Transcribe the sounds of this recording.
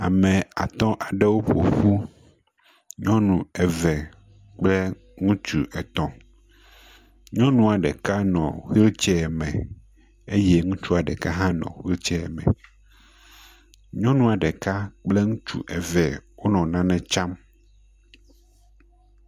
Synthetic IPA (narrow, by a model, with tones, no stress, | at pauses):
a̰˨mɛ̃˨a˨t̪ɔ̃˦ʔa˨ɖɛ˦wo˦ɸo̰˨ɸu˦ | ɲɔ̃˦nũ˨ɛ˨vɛ˨ | k͡plɛ˦ | ŋũ˦t͡ʃu˦˨ʔɛ˨t̪ɔ̃˦ | ɲɔ̃˦nũ˨a˨ɖɛ˨ka˦nɔ̰̃˨xi˦lt͡ʃɛ˦ɛ˨mɛ̃˨ | e˦jɛ˦ŋũ˦t͡ʃu˦a˨ɖɛ˨ka˦ɦã˦nɔ̰̃˨xi˦lt͡ʃɛ˦ɛ˨mɛ̰̃˨ | ɲɔ̃˦nũ˦a˨ɖɛ˨ka˦k͡plɛ˦ŋũ˦t͡ʃṵ˨ʔɛ˨vɛ˨wo˦nɔ̃˨nã˦nɛ̃˦t͡ʃa˦m